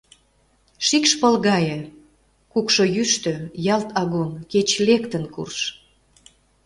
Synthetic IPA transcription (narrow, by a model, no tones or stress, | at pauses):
ʃikʃpə̆lɣɑjĕ | kukʃojyʃt̪øjɑlt̪ʰɑɣunket͡ɕlekt̪ənkṵrʃ